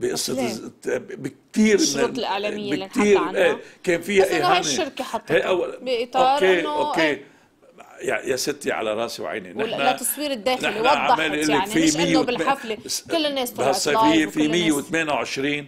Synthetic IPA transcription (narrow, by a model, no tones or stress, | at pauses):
biʔɨsˤːɑ | bɪk̚t̪iːɾɪt̪lʔaʕlamɪjjːɪkt̪iːɾʔeːkeːnfijaʔihaniɪɾkeħɑt̪ˤːhaʔawːalbʔɪt̪ˤoɑɾkːeʔoːkːe | jajasɪt̪ːiʕa̰laɾˤɑːsiwʕa̰jnḭnɪħnat̪ːɑsˤwiːɾɪd̪ːeːnɪħlwnaʕameːliʔɪlːɪfimɪjːebɪlħaflekɪlːɪnːeːshasˤːɑjfɪjːefimɪjːewɪt̪meːnawʕɪʃɾiːn